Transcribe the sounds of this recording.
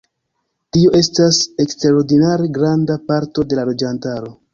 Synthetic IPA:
tio̞ʔe̞stase̞ksteɾo̞ɾdinaɾe̞ɡɾandapaɾto̞de̞lalo̞d͡ʒantaɾo̞

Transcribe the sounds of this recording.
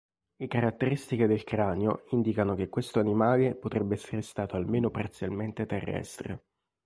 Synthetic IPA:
lekaɾat̪ːeɾist̪iked̪elkɾaːneo̰ind̪ikanok̟ekːwest̪oanimaːlepot̪ɾɛbːeɛsːeɾest̪aːt̪oalmeːnopart̪sjalment̪et̪erːɛ̰st̪ɾḛ

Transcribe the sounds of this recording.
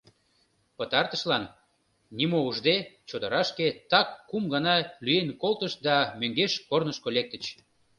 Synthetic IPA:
pət̪ɑrt̪əʃlɑnːʲ | imouʒd̪et͡ɕod̪əɾɑʃket̪ɑkːumɡɑnɑlyenkolt̪əʃd̪ɑmøŋɡeʃkornəʃkolek̚t̪ə̆t͡ɕ

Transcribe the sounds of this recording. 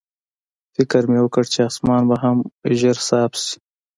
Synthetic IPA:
fɪkəɾmewəkəɽt͡ʃeɑsmɑːnbaɦamʒəɾsɑːpsi̥

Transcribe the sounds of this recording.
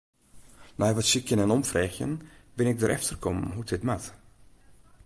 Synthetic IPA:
nɛjʋɔtsikjənɛnɔmfrɛxjə̰nbɪnɪk̚dəɾʔɛ̰ftərkʰɔmɦutʰɪtmat

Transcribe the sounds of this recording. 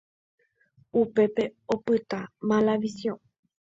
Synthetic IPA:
upe̞pe̞opɨt̪amãlaʋisjõ

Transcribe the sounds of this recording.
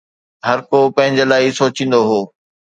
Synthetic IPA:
ɦɐɾkopɐ̃ɦɪ̃ɲd͡ʑelaːɪsoːt͡ɕĩːnd̪oɦoː

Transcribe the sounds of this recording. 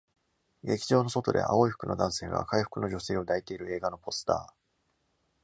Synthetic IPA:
ɡe̞kʲi̥ʑo̞ːno̞so̞t̪o̞d̪e̞̰ʔa̰o̞iɸɯ̥kɯ̟nod̪ãɰ̃se̞ːɡa̰kaiɸɯ̟̥kɯ̟no̞ʑo̞se̞ːo̞d̪ait̪e̞iɾɯ̟e̞ːɡano̞po̞sɨ̥t̪a̰ː

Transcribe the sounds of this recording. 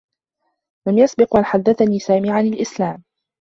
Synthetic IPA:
lamjasbɪqmalħad̪ːaθaniːsaːmiːʕanalʔɪslaːm

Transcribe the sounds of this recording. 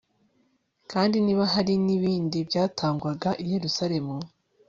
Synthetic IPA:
kaːndiniːβaɦaɾiniβiːndibɟaːtʰaːŋɡwaɡaʔije̞ɾusaɾe̞mu

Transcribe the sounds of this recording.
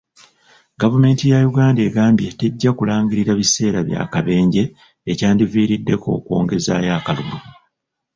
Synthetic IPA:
ɡavume̞ːntijajuɡaːnde̞ːɡaːmbjete̞ɟːakulaːɲɡiɾiɾaβise̞ːɾaβja̰ːkaβe̞ːɲɟe̞ː | caːndiviːɾidːe̞ko̞̰ːkwo̞̰ːŋɡe̞za̰ːjakaluɡu

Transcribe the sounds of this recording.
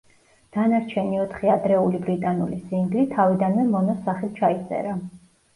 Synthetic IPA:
d̪̥anaɾt͡ʃʰɛniɔt̪ʰχiad̪ɾɛulibɾit̪ʼanṵlisiŋɡlit̪ʰavid̪anmɛmɔnɔsːaχɛlt͡ʃʰait̪sʼɛ̰ɾa

